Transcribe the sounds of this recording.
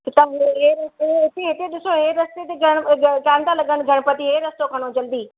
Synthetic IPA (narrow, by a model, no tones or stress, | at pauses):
kɪt̪ɐɦeɾeɦɪt̪eɦɪt̪eɗɪsoɦeɾɐst̪et̪eɡʱɐɽ̃ɡkãːnd̪alɐɠəɽ̃ɡʱɐɽ̃pɐt̪iɦeɾɐst̪okʰɐɽ̃od͡ʑɐld̪iː